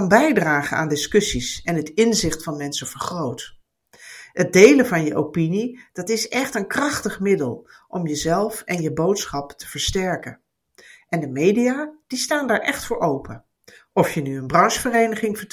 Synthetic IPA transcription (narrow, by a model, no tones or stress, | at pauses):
ɑnbɛjdraːχəna̰ːndɪskɵsisɛnɦətɪnzɪχtfɑnmɛnsəv̥əɹχrowt | ɦət̚dejləvɑnjəʔowpinid̥ɑtɪsɛχtənkrɑχtəχmɪdəlˠʔɔmjəzɛlˠfɛnjəbowtsχɑptʰə̥v̥əɹstɛɹkən | ʔɛndəmejdijaːd̥istaːndaːɹʔɛχtfʊːɹowpʰə | ɔfjənyənbrɑnsfərejnəχɪŋvəɹt